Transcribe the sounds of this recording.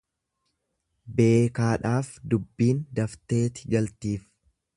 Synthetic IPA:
be̞ːkaːᶑaːfd̪ʊbːiːnd̪ɐft̪e̞ːt̪ɪɡɐlt̪iːf

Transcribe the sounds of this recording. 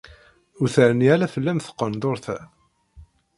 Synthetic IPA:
uθəɾnialæfəlːæmθə̥qːənd̪ˤoɾθæ

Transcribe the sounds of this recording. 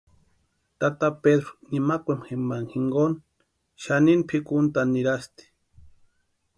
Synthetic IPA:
t̪at̪aped̪ɾonimakʷemxembaŋhiŋɡon | ʃaninpʰikunt̪aniɾast̪i̥

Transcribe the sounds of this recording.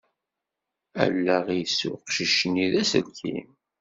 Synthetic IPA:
æ̰lːæʁijsːʊ̰ʁqʃiʃniðæsə̰lkʰḭm

